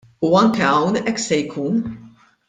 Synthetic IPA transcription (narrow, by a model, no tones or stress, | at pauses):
uɐŋkɛɐwnʔɛkːsɛjkʰuːn